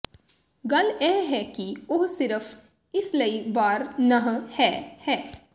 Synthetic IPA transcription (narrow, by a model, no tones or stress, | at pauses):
ɡɐlɛɦɦɛkioɦsɪɾəf | ɪslɐiʋaːɾnɐɦhɛːhɛː